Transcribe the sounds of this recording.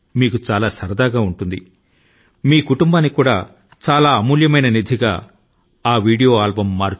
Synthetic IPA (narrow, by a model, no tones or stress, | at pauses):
miːkut͡ʃaːlaːsɐɾɐd̪aːɡaːuɳʈund̪ḭ | miːkuʈumbaːnːikuːɽaː | t͡ʃaːlaːɐmuːljɐmɐjnɐnid̪ʱiɡa̰ː | aːʋiːɽijoːaːlbɐmːaːɾ